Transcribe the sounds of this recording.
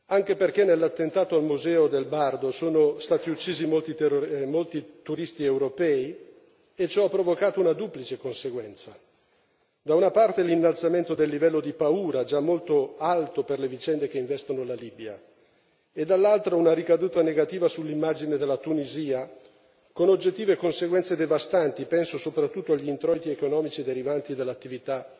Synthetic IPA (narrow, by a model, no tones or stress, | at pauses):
aŋk̟eperk̟enːelːat̪ːent̪aːt̪oalmuzɛːod̪elbard̪osoːnost̪aːt̪iut͡ʃːiːzimolt̪imolt̪it̪uɾist̪iewɾopɛːi | et͡ʃɔapːɾovokaːt̪ounad̪uplit͡ʃekonseɡwɛnt̪sa | d̪aunapart̪elinːalt̪sament̪od̪elːivɛlːod̪ipauːɾaɛd͡ʒamːolt̪oalt̪operlevit͡ʃɛnd̪ek̟eiɱvɛst̪onolaliːbia̰ | ed̪alːalt̪ɾaunaɾikad̪uːt̪aneɡat̪iːvasulːimːad͡ʒined̪elːat̪uniziːa | konod͡ʒːet̪ːiːvekonseɡwɛnt̪sed̪evast̪ant̪ipɛnsosopɾat̪ːut̪ːoaʎːint̪ɾɔjt̪iekonɔːmit͡ʃid̪eɾivant̪id̪elːat̪ːivit̪a